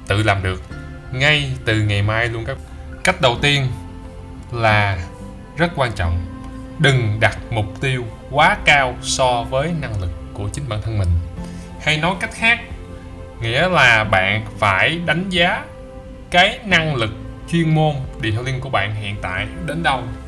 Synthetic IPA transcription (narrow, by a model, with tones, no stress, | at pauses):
t̪ɨ̰˧˨laː˨˩mɗɨ˨˩ək̚ | ŋa˧jt̪ɨ˨˩ŋa˨˩jmaː˧jlu˧ənkaː˦˥ | ka˦˥jk̟̚ɗə˨˩wt̪i˧ən | laː˨˩ | zə˦˥t̚kwaː˧nt͡ɕɔ̰˧˨wŋ͡m | ɗɨ˨˩ŋɗa˨˩t̚mʊ˨˩k͡p̚t̪i˧əw | kwaː˨˦kaː˧wsɔ˧vəː˨˦jna˧ŋlɨ˨˩kːu˧˩ət͡ɕï˨˦ŋ̟ɓa̰ː˧˨nt̪ʰə˧nmï˨˩ŋ̟ | ha˧jnɔ˨˦jka˦˥jk̟̚xaː˦˥k̚ | ŋḭ˧˥əlaː˨˩ɓa̰ː˧˨nfaː˧˩jɗa˨˦jŋ̟zaː˨˦ | kaː˨˦jna˧ŋlɨ˨˩k̚t͡ɕwi˧ənmo˧nɗḭ˨ha˧˩li˧ŋku˧˩əɓa̰ː˧˨nɦḭ˧˨ənt̪a̰ː˧˨jɗe˨˦nɗə˧w